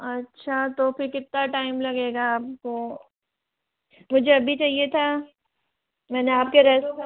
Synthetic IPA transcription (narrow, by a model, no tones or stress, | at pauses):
ɐtːʃʰat̪opɪɾkɪt̪̚naʈaːɪmlɐɡeːɡaaːp̚ko | mʊd͡ʒʱeɐbʱit͡ʃaːɦiet̪ʰa | mɛːneaːp̚keɾɛːs